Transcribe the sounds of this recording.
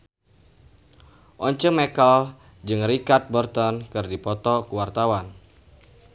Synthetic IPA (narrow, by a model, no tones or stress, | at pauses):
ʔɔɲt͡ʃəŋmekal | d͡ʒɨŋrikat̪̚bɔrt̪ɔnkɨrdipɔt̪ɔkuwart̪awan